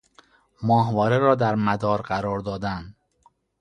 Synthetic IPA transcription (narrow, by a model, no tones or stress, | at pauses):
mɒːɦvɒːɾeɾɒːd̪æɾmæd̪ɒːɾɢæɾɒːɾd̪ɒːd̪æn